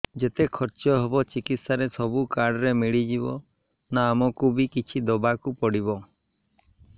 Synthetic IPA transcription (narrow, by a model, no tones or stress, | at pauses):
d͡ʒet̪ekʰɔɾt͡ʃɔɦebɔt͡ʃikit̪saɾesɔbukaɖɔɾemiɭid͡ʒibɔ̰ | naːmɔkubikit͡ʃʰid̪ɔbakupɔɽibɔ